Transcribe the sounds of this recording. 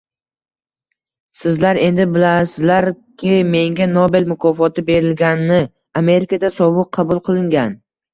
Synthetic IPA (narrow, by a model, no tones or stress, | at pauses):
sɪzlaɾe̞nd̪ɪbɪlasɪzlaɾ | kʲʰɪme̞ŋɡʲanobe̞lmʊkʰɒfɒt̪ʰɪbe̞ɾɪlɡʲanːɪ | ame̞ɾɪkʰad̪asɒbɨq̚ʰɑbʊlˠqʰɨlˠɪŋɡʲan